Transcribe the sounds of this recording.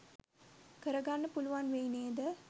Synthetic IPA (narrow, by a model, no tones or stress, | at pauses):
kɐɾɐɡaːnɐpʊlʊʋaːnʋejneːd̪ɐ